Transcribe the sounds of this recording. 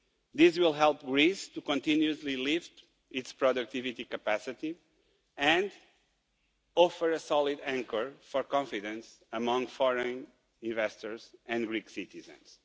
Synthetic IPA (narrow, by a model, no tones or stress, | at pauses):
ðizwilˠɦɛlˠpɡɾist̪ukɔ̃nt̪ĩnjuzlilift̪ | itspɹɔd̪uk̚t̪ivit̪ikəpæsit̪i | ɨ̃nd̪ | ɔfəɾəsɔlˠidæ̃ŋkəɹfɔɾkɔ̃ɱfidɨ̃nsəmʌ̃ŋfɔɹə̃n | ĩɱvɛst̪ɔɹzɨ̃nɡɾiksit̪izə̰̃ns